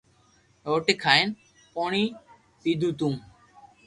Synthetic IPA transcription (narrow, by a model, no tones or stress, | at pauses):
oʈekʰaen | pɔɽ̃i | sid̪ʱut̪um